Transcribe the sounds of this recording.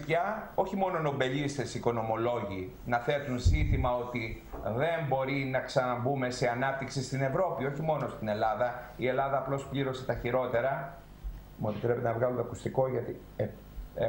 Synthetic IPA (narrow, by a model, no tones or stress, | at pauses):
jɐo̞çimo̞no̞no̞be̞ʎist̪e̞siko̞no̞mo̞lo̞ʝi | nɐθe̞t̪unsinθimɐo̞t̪i | ðe̞mbo̞ɾinɐksɐnɐbume̞se̞ɐnɐp̚t̪iksist̪ine̞vɾo̞pio̞çimo̞no̞st̪ine̞lɐðɐie̞lɐðɐːplo̞spʎiɾo̞se̞t̪ɐçiɾo̞t̪e̞ɾɐ | mue̞pit̪ɾe̞pe̞t̪enɐvɣɐlunt̪ɐkust̪iko̞ʝɐt̪i | e